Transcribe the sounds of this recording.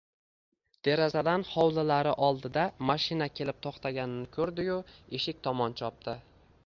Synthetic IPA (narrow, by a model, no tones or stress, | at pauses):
d̪̥e̞ɾazad̪anhɒwlalaɾɪʔɒlˠd̪ɪd̪amaʃɪnakʲʰe̞lɪp̚t̪ʰoχt̪ʰaɡʲanɪnɪkʰɵɾd̪ɪjʊeʃɪk̚ʲt̪ʰɒmɒnt͡ʃʰɒp̚t̪ɪ